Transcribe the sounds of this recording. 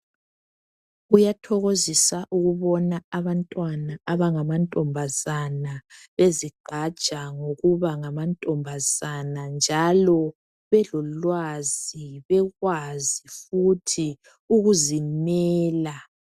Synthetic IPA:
ujatʰɔɣozisaʔuɣuβɔnaaβantʼwanaaβaŋamantʼɔmbʱazanaβeziɡ͡ǃʱḁt͡ʃʼaŋoɣuβaŋamantʼɔmbʱaz̥anand͡ʒʱalɔ | βɛlɔlwaziβɛɣwazifutʰi | uɣuzimɛːla

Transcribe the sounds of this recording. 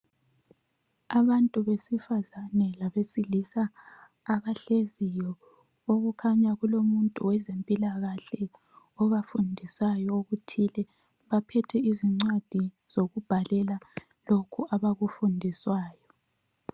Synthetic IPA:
aβantʼuβesifazanɛlaβesilisaː | βaɬezijɔ | oɣukʰaɲaɣulomuntʼuwɛzempʼilaɣaɬɛ | ɔβafundʱisajɔoɣutʰilɛ | βapʰɛtʰɛiziŋ͡ǀwad̥ʱi | z̥oɣub̥ʱalɛla | lokʰuaβaɣufundʱiswaːjɔ

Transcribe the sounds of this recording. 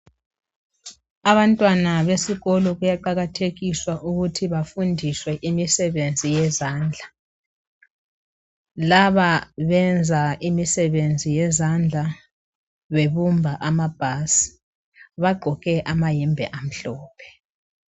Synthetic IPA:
aβantʼwanaβesiɣɔlɔɣujaǃaɣatʰeɣiswaʔuɣutʰiβafundʱiswɛʔimisɛβend͡zʱijɛzaːnd͡ɮʱa | laβaβɛnd͡zʱaʔimisɛβend͡zʱijɛzand͡ɮʱa | βeβumbʱaʔamab̥ʱasi̥ | βaɡ͡ǃʱɔɣɛʔamajimbʱɛ̰ʔam̩ɬɔːpʰɛ̥

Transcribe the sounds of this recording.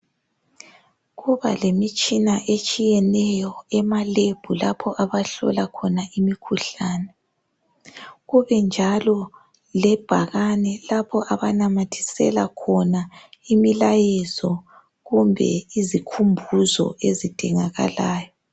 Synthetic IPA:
ɣuβa̰lemit͡ʃʼinaʔet͡ʃʼijɛnɛjɔɛmaleb̥ʱulapʰɔʔaβaɬɔ̰lakʰɔnaimikʰuɬaːnɛ | ɣuβɛnd͡ʒʱalɔ | lɛb̥ʱaɣanɛlapʰɔʔaβanamatʰi̥sɛ̰la̰kʰɔnaimilajɛzɔ | ɣumbʱɛ̰izikʰumbʱuzɔ̰ezid̥ʱiŋaɣa̰laːjɔ

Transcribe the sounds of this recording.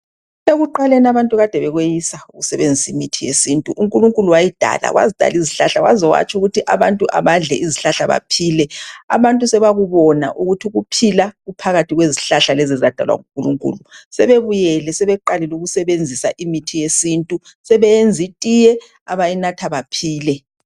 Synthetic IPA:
eɣuǃalɛnaβantʼuɣad̥ʱɛβɛɣwejisauɣusɛβend͡zʱisimitʰijesintʼuʔuŋkʼuluŋkʼuluwajid̥ʱa̰la̰ɣwʔa̰zid̥ʱa̰liziɬaɬawazɔwa̰t͡ʃʼuɣutʰiʔaβantʼuʔa̰βaɮɛʔiziɬaɬaβa̰pʰiːlɛa̰βantʼusɛβaɣuβɔna̰ʔuɣutʰiɣupʰilaɣupʰaɣatʰiɣweziɬaɬalɛzɛzad̥ʱa̰lwa̰ŋuŋkʼuluŋkʼṵlusɛβeβujɛlɛsɛβɛǃalɛluɣusɛβend͡zʱisaʔimitʰijesintʼu | sɛβɛjend͡zʱitʼijɛ | aβajinatʰaβapʰiːlɛ

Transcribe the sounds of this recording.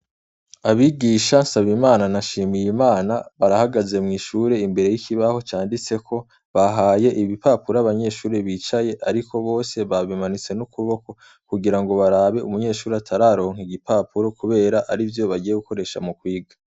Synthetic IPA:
aβiɡiːʃansaβimaːnanaʃiːmijimaːnaβaɾahaɡaze̞mŋiːʃuɾe̞imbe̞ɾe̞jikʰiβaho̞t͡ʃaːndit͡se̞kʰo̞ | βaɦaːje̞ʔiβipaːpuɾaaβaɲe̞ːʃuːɾeβiːt͡ʃaje̞ʔaɾikʰo̞βo̞ːse̞βaβimanit͡se̞nukuβo̞ko̞ | kuɡiɾaŋɡo̞βaɾaːβe̞ṵmuɲe̞ːʃuːɾeatʰaɾaɾo̞ːŋhiɡipaːpuɾo̞kuβe̞ːɾaʔaɾivjo̞βaɟiːje̞ɡuko̞ɾe̞ʃa̰mukwiːɡa

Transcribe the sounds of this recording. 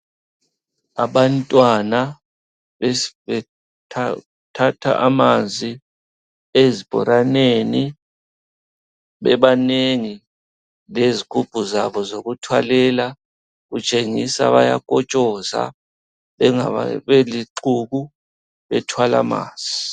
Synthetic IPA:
aɓantʼwana | ɛ | tʰatʰa̰ʔamand͡zʱi | ezib̥ʱɔ̰ɾaneni | ɓɛɓaneŋi | lezikʰub̥ʱʼuzaɓɔzoɣutʰwalɛla | ɣut͡ʃʼeŋisa̰βa̰ja̰kʼɔt͡ʃʼɔza̰ | a̰eliǃuɣu | ɓɛtʰwala̰ma̰ːnz̥ʱi

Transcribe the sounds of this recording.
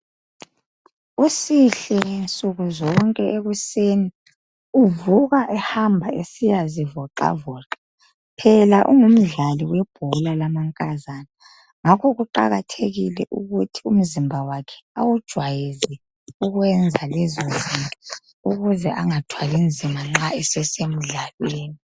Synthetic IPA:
usiɬɛnt͡sʼuɣuzɔŋkʼɛʔeɣuseːni | uvuɣaʔɛhambʱaesijazivɔǁa̰vɔːǁḁ | pʰɛlaʔṵŋum̩ɮaliwɛb̥ʱulalamaŋkʼazana | ŋakʰɔɣuǃa̰ɣatʰeɣilɛʔuɣutʰium̩zimbʱawakʰɛ̥awud̥ʒ̥ʱwajizɛ | uɣwɛnd͡zʱalɛzɔzima | uɣuzɛʔaŋatʰwalind͡zʱimaŋ͡ǁaɛsɛsem̩ɮalweːni

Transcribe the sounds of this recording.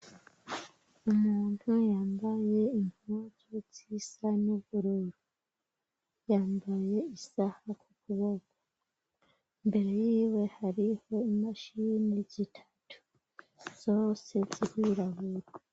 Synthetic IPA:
umuːn̥hujaːmbaje̞im̥azot͡sisanoβuɾuɾu | jaːmbaje̞isahakukuβoɡa | mbe̞ɾe̞jiːwe̞haɾiho̞imaʃiːniɟitʰḁtʰu̥ | z̥o̞se̞ziɾiɾaβuɾa

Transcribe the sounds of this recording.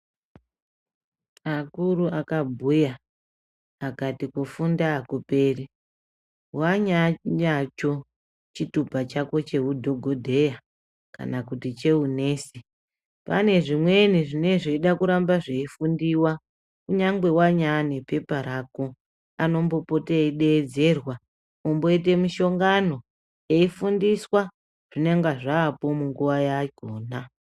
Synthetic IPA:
akuɾuʔakabʱuja | akatikufundaːkupe̞ːri | waɲaɲat͡ʃo̞ | t͡ʃitupat͡ʃako̞t͡ʃe̞wudʱo̞ɡʱo̞dʱe̞ja | ka̰nakutit͡ʃe̞une̞ːsi | pa̰ne̞ʐimwe̞niʐine̞ʐeiɗakuɾambaʐe̞ifundiwa | kuɲaŋɡwe̞waɲane̞pe̞paɾaːko̞ | ano̞mbo̞po̞teiɗe̞ːd͡ze̞rwa | umbo̞it̬e̞miʃo̞ŋɡano̞ | e̞ifundiswa | ʐ̥ineŋɡaʐaːpo̞muŋɡuʋajaɡʱoːna

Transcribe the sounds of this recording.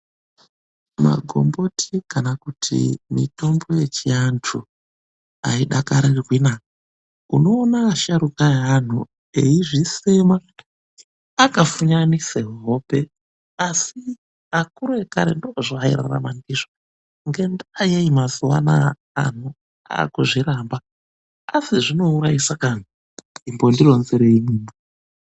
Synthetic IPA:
ma̰ɡʱo̞̰mbo̞tʰikanakutʰḭmḭto̞mbo̞je̞t͡ʃiantʰu | aiɗakaɾirwina | uno̞ːnaːʃaɾukaan̤ṵ | eiʐisema | akafuɲaniseɦope̞ | asi | akuɾoeka̰ɾḛndokoʐoaḭɾa̰ra̰mandiʐo | ŋɡendaːjeimaziwa̰na̰ | a̰n̤u | a̰ːkuʐiɾamba | asiʐino̞uɾaisakan̤u | imbondironzeɾeimiːmi

